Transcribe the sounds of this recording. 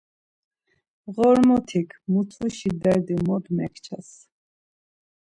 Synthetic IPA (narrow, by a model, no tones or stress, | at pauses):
ʁɔɾmɔt̪ʰikʰmut̪ʰuʃid̪ɛɾd̪imɔd̪mɛkʰt͡ʃʰas